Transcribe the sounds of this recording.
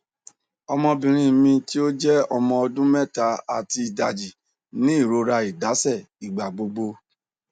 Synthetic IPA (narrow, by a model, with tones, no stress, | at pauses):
ɔ˧mɔ̃˧bĩ˨ɾ̃ĩ˧mĩ˧ti˦o˦d͡ʒɛ˦ɔ˧mɔ̃˧ɔ˧dũ˦mɛ˦ta˨˦a˦˨ti˧i˨da˨d͡ʒi˨ | nĩ˨˦i˦˨ɾo˨˧ɾa˧i˨da˨˦sɛ˦˨ | i˨ɡ͡ba˨ɡ͡bo˧ɡ͡bo˧